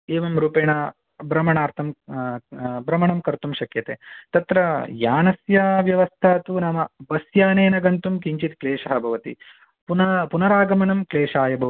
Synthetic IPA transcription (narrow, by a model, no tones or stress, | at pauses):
eːʋɐmɾuːpeːɳɐ | bɾɐmɐɳaːɾt̪ʰɐm | bɾɐmɐɳɐmkɐɾt̪umʃɐkjɐt̪eːt̪ɐt̪ɾɐjaːnɐsjɐʋjɐʋɐst̪ʰaːt̪unaːmɐbɐsjaːneːnɐɡɐnt̪umkiɲt͡ʃit̪kleːʃɐɦɐbʱɐʋɐt̪ḭ | punɐpunɐɾaːɡɐmɐnɐmkleːʃaːjɐbʱɐʋɐ